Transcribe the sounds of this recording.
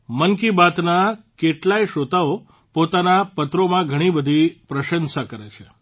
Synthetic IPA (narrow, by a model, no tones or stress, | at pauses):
mənkibat̪nakeʈlajʃot̪ao | pot̪anapət̪ɾomãɡʱəɽ̃ibəd̪ʱipɾəʃənsakəɾet͡ʃʰe